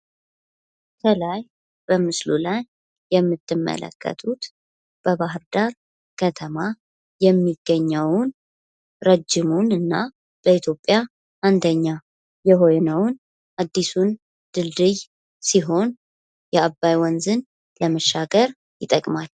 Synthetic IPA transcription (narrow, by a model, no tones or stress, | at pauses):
kʰəlaj | b̥əmɨslulajː | ɛmːɨt̪ʰːɨmːə̰lə̰kʰːə̰t̪ʰut̪ | b̥əβaɦɨɾd̪aɾ | kʰət̪ʰəma | jɛmːiɡːəɲːəwn | ɾəd͡ʒːɪmunɨnːa | b̥əit̪ʰjo̞pʼːja | ʔand̪əɲːa | jɛɦo̞jnəwn | ad̪ːisun | d̪̥ɨld̪ɨj | siɦo̞n | jɛabːajwɔnzɨn | ləməʃːaɡəɾ | jɪt̪ʼəkʼmal